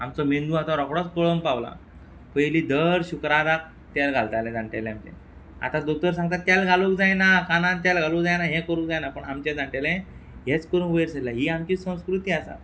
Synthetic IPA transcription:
amt͡sɔmend̪uɦat̪ɔɾɔkɽɔt͡skəɭompaʋla̰ | pəjliːd̪əɾɕukɾaɾak̚ | t̪jalɡʱalt̪alɛ̃d͡zaɳʈelɛamt͡ɕɛ̰̃ | a̰t̪ãd̪ok̚t̪əɾsãŋɡ̚t̪at̪ːjalɡʱalukd͡zajnakanãnt̪jalɡʱalukd͡zajnaɦẽkəɾũk̚d͡zajnapəɳamt͡ɕɛ̃d͡zaɳʈelɛ̃ɦet͡skəɾũkʋəjɾsəlaɦiːamt͡ɕiːsə̃w̃skɾut̪iːasa̰

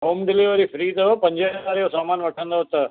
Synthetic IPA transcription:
ɦoːmɖɪliʋəɾifɾiːt̪ɐpɐ̃ɲd͡ʑenaːɾijosaːmaːnʋɐʈʰə̃nd̪oːt̪ɐ

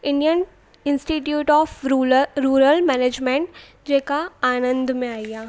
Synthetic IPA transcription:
ɪ̃ɳɖijən | ɪ̃nsʈiʈjuːʈɔːfɾuːɾəlmɛːneːd͡ʒmẽɳʈ | d͡ʒeːkaaːnə̃nd̪mẽaːijaː

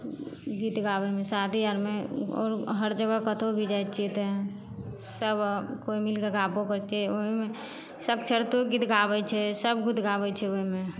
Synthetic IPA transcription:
ɡiːt̪ɡaːbəmẽsaːt̪ijaɾmẽɔ̰ːɾɦəɾd͡ʒəɡakət̪ʰobʱid͡ʒajt͡ʃit̪ɛ | səbkoːimɪlkeɡaːpokəɾt͡ʃioimẽ | səkt͡ʃʰəɾt̪oɡit̪ɡaːbət͡ʃʰɛsəbɡut̪ɡabət͡ʃʰɛoimẽ

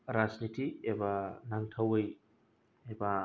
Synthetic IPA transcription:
ɾaznitiebanaŋtʰawɯj | eba

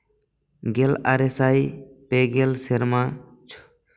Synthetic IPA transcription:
ɡelaːɾesaːjpeːɡelseɾmãː | t͡ʃʰ

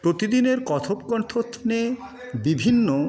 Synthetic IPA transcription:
pɾot̪id̪ineɾkɔt̪ʰopkɔɳt̪ʰot̪ʰne | bibʱinːo

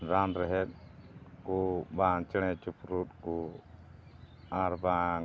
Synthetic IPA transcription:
ɾanɾɛɦɛt̪̚kubat͡ʃɛt͡ʃupɾut̪̚ku | aɾba

